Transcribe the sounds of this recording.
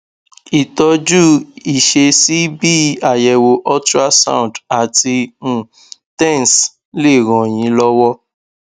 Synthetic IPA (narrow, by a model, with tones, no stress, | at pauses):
i˨tɔ˧d͡ʒu˦i˨ʃe˧si˦bi˦a˨jɛ˨wo˧ʔɔ˦tɾa˦sã̰˦˨da˨tĩ˧˨ | tɛ̃˦˨n˨s | le˦˨ɾɔ̃˨j̃ĩ˨˦lɔ˦wɔ˦